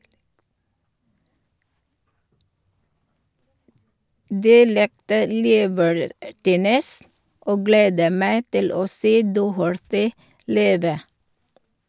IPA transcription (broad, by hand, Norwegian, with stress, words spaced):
ˈdiː ˈlɪktə ˈliːbəɹˌtiːnəs ˈʔoː ˈɡleːdə ˈmæɪ ˈtɪl ˈoː ˈseː ˈdɔhəɹθɪ ˈliːʋə